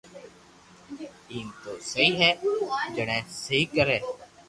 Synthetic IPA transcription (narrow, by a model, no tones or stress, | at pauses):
iːnt̪oːsəiːɦɛːd͡ʒəɳẽːsəiːkəɾeː